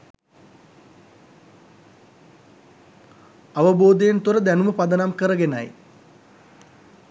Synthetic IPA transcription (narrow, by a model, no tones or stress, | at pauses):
aʋəboːd̪ejent̪oɾəd̪ænuməpad̪ɐnamkəɾəɡena̰j